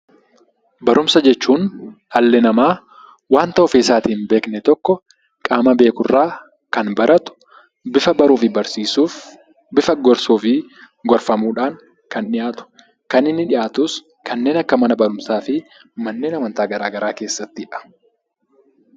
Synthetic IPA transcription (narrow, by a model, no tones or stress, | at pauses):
bɐɾʔʊmsɐd͡ʒɛt͡ʃːuːn | ɐlːɛnɐmaː | waːnt̪ɐɔfeːsaːt̪iːnbeːknɛt̪ɔkːɔ | kʼaːmɐbe̞ːkʊrːaː | kɐnbɐɾʔɐt̪ʊ̥ | bɪfɐbɐɾuːfɪbɐɾsiːsuːf | bɪfɐɡɔɾsuːfɪ | ɡɔɾfɐmuːᶑaːŋ | kɐnᶑɪjaːt̪ʊ̥ | kɐnɪnːɪᶑɪjaːt̪ʊs | kʰɐnːe̞ːnɐkːɐmɐnɐbɐɾʊmsaːfɪ | mɐnːe̞ːnɐmɐnt̪aːɡɐɾaːɡɐɾaːke̞ːsːɐt̪ːɪɪᶑɐ̥